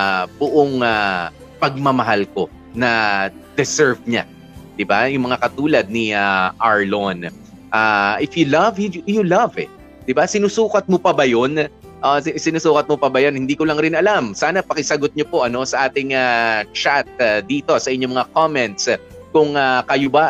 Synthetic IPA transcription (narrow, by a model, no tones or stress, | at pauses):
bʊʔoŋa | pɐɡ̚mɐmɐɦalko̞ | nɐd̪̥ɛsɛɹvɲa̰ | d̪̥ɪbajʊŋmɐŋakɐt̪uːlɐd̪̚niaʔaɹlon | ʔaʔɪfjʊlɐvjulɐvɛ̰ | d̪̥ɪbasɪnusuːkɐt̪̚mopɐbɐjo̞n | ʔosɪnusuːkɐt̪̚mopɐbɐjonhɪnd̪iːkolɐŋɾɪnɐlamsaːnɐpɐkɪsɐɡot̪̚ɲopo̞ʔɐno̞sɐʔaːt̪ɪŋat͡ʃat̪̚d̪iːt̪o̞sɐʔɪɲomɐŋakomɛnt̪s | kʊŋakɐjoba